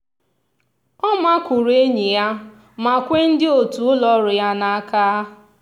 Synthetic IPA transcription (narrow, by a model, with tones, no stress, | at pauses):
ɔ˦ma˦kʷʊ˨ɾe˦ɲi˨ja˦ | ma˨kʷe˦n̩˦dɪ˦o˨tu˨ʊ˦lɔ˦ɾʊ˨ja˦na˨a˦kaː˦